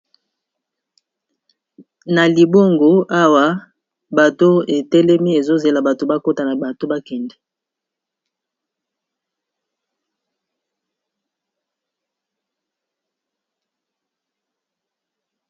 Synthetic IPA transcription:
na˨li˨bo˦ŋɡo˨a˦wa˦ | ba˨to˦e˨tɛ˦lɛ˦mi˦e˨zo˦ze˨la˨ba˨to˨ba˦ko˦ta˨na˨ba˨to˦ba˦kɛ˨ndɛ˨

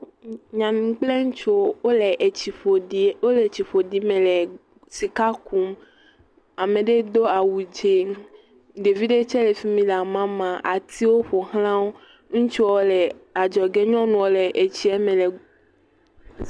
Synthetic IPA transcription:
ɲã˨nũ˨k͡ple˦ŋũ˦t͡ʃo˦wo˦le˨ʔt͡ɕi˨ɸo˨i˨wo˦le˨t͡ɕi˨ɸo˨ɖi˦mẽ˨le˨ | si˨ka˦ku˦m | a˨mẽ˨ɖe˦d̪o˦a˨wu˨d͡ʒe˦ | ɖe˨vi˦ɖe˦t͡ʃɛ˦le˨fi˦mĩ˦la˨mã˦mã˨ʔa˨t̪i˦wo˦ɸo˨ɦl̃ã˦wo˦ | ŋũ˦t͡ʃu˦wo˦le˨a˨d͡ʒɔ˨ɡe˦ɲɔ̃˦nũ˨wo˦le˨ʔe˨t͡ɕi˦e˦mẽ˨le˨

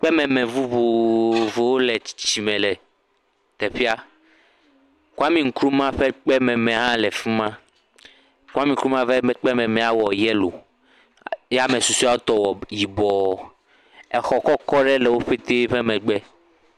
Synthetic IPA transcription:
k͡pɛ˦mɛ̃˨mɛ̃˨vu˦βu˨vo˨wo˦lɛ˨t͡ɕi̥˨t͡ɕi̥˨t͡ɕi˨mɛ̃˨lɛ˨ | t̪ɛ˨ɸi˦a˦ | ku˦a˦mĩ˨ŋ̩˦kɾu˦mã˦ɸɛ˦k͡pɛ˦mɛ̃˨mɛ̃˨ɦã˦lɛ˨fi˦mã˦ | ka˦mĩ˨˦kɾu˦mã˦vɛ˦k͡pɛ˦mɛ̃˨mɛ̃˨a˨wɔ˨jɛ˦lo̰˨ | jɛ˦a˦mɛ̃˨su˨su˦a˦o˦t̪ɔ˦wɔ˨ji˨bɔ˨ | ɛ˨xɔ˦kɔ˦kɔ˦ɖɛ˦lɛ˨wo˦ɸe˦t̪e˦ɸe˦mɛ̃˨ɡ͡bɛ˦

